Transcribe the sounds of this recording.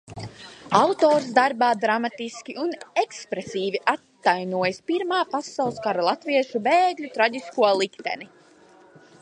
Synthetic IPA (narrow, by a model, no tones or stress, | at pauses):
awt̪oːɾsd̪aɾbaːd̪ɾamat̪iskʲiʔunekspɾesiːviʔat̪ːajnuɔjspiɾmaːpasːawlˠskaɾlˠat̪viɛʃubeːɡlʲut̪ɾaɟiskuɔlˠikt̪ɛ̰ni